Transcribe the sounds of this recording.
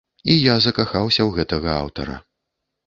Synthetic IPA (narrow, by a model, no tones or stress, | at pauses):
ijazɐkaxawsʲɐwɣɛt̪ɐɣɐa̰wt̪ɐ̰ɾɐ̰